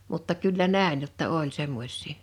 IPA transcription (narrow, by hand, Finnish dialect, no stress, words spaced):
mutːɑ kylːæ næˑe̝n jotːɑ olʲ semːosʲˑiː